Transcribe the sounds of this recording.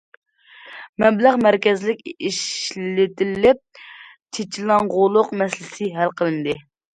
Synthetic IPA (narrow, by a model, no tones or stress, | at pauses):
mɛblæʁmæɾkʲɛzlɪkʲiʃllɪt̪ɪlːɪp̚ | t͡ʃʰet͡ʃʰilɑŋʁolˠʊqmɛslɪsɪɦælqʰəlˠɨnd̪ɨ